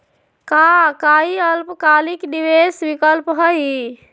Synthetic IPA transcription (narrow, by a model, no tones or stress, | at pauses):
kakaiəlpkalikɖiʋesbikəlpɦəj